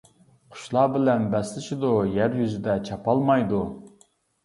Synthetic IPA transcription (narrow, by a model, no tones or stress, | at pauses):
qʰʊ̥ʃlˠɑːbɪlɛnbɛslɪʃid̪ujæɾjyzɪd̪ɛt͡ʃʰɑpɑlˠmɑjd̪u